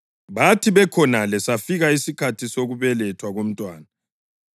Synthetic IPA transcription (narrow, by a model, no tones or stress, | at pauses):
βatʰiβɛkʰɔnalɛsafiɣaisikʰatʰisoɣuβɛlɛtʰwaɣom̩tʼwaːna